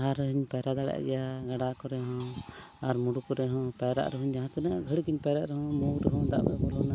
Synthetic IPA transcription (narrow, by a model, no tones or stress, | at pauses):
ɦaɾɦiɲpaɾad̪aɽɛ̰ʔɡɛjaɡaɽakɔɾɛɦɔ̃aɾmuɽukɔɾɛɦɔ̃paɾa̰ʔɾɛɦuɲd͡ʒaɦãt̪ɛnaɡʱəɽikiɲpaɾaʔɾɛɦɔ̃muwɾɛɦɔ̃d̪a̰ʔmɛ̰ʔbɔlɔna